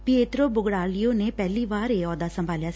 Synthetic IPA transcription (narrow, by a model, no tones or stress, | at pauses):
pɪeːt̪ɾoːbʊɡɽaːlɪjoːneːpɛːliːʋaːɾeɔːd̪aːsə̃mbʱaːljaː